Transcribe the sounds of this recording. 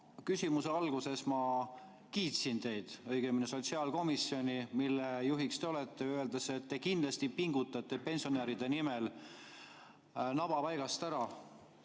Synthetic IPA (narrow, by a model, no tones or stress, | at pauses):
kysʲimuseɑlɡ̥use̞smɑ | kiːt̪sint̪e̞jd̪̥ɤjɡ̥emineso̞t̪siɑlko̞misːjo̞nʲimilːejuɦikst̪e̞o̞let̪ːˑe̞øld̪̥ɑseet̪ːekind̪lɑst̪ipiŋɡ̥ut̪ːˑɑt̪ːˑe̞pe̞nsio̞neːɾid̪e̞nimel | nɑb̥ɑpɑjɡɑst̪æɾɑ